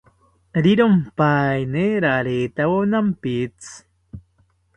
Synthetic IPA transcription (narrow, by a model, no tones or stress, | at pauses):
ɾiɾompajneɾaɾet̪awonampit͡s